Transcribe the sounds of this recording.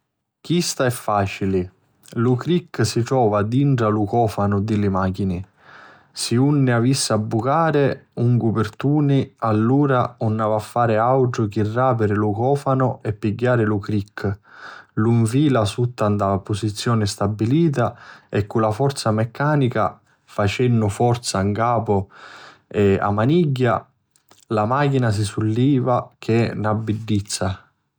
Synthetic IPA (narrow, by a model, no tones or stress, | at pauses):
k̟ist̪aɛfːaːt͡ʃilɪ | lukɾikːsiʈɾɔːvad̪iɳʈɾalukɔːfanʊd̪ɪlɪmaːk̟inɪ | siunːɪavisːabːukaːɾɪuŋkupɪrt̪uːnialːuːɾaunːavafːaːɾɪawʈʊk̟irːaːpɪɾɪlukɔːfanʊɛpːiɡːaːɾɪlukɾikː | luiɱfiːlasut̪ːand̪apʊsit̪sːjɔːnɪst̪abːiliːt̪aɛkːulafɔrt̪samɛkʰːaːnika̰ | fat͡ʃɛnːʊfɔrt̪saŋkaːpʊ | ɛa̰maniɟːa̰ | lamaːkinas̬isulːiːvak̟ʰɪnabːiɖːit̪sːa